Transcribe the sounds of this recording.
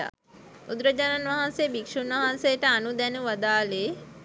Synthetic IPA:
a̰ | ud̪ɾəd͡ʒananʋaɦansebikʂunʋaɦansejəʈəanud̪ɛnuʋɐd̪aːle

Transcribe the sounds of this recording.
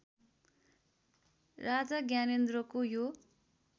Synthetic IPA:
rad͡zʌɡjanend̪rʌkojo

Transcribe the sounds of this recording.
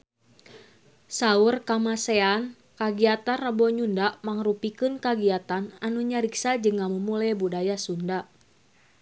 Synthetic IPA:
saurkamasɛan | kaɡiat̪anrabɔɲundaʔmaŋrupikɨnkaɡiat̪ananuɲaɾiksad͡ʒɨŋːamumulabudajasundaʔ

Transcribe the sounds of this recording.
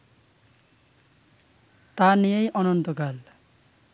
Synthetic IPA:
t̪anijejʔɔnɔnt̪okal

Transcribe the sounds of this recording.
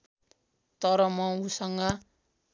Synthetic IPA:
t̪ʌɾʌmʌusʌŋɡʌ

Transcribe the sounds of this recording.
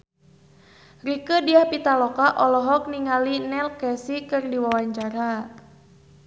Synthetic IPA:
rikədiahpit̪alɔkaʔɔlɔɦɔk̚niŋalinɛlkɛsikɨrdiwawaɲt͡ʃaɾa

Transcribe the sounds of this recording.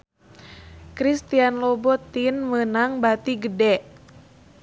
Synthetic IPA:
kɾist̪ianlɔbɔt̪ːinmənaŋbat̪iɡədɛʔ

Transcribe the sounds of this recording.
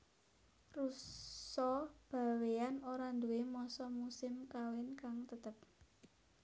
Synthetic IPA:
rusɔb̥a̤weanoɾand̪uwemɔsɔmusɪmkawɪnkaŋt̪ət̪əp̚

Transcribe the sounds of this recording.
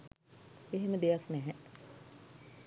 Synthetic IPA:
eɦeməd̪ejaknɛɦɛ

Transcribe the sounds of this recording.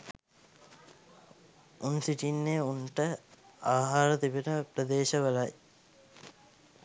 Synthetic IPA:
ʔunsiʈinːeuɳʈəaːɦaːɾɐt̪ibinəpɾɐd̪eːʃɐʋɐlɐj

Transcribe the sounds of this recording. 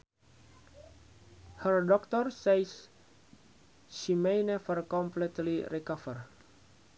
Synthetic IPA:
hɛrdɔkt̪ɔrsejs | ʃimejnɛfərkɔmplit̪liɾikafər

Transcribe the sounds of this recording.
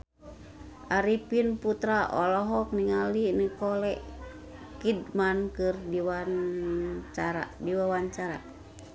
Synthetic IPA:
ʔaɾipinput̪ɾaʔɔ̰lɔɦɔk̚niŋalinikɔlɛʔ | kidmankɨrdiwan | t͡ʃaɾa̰diwawaɲt͡ʃaɾa̰

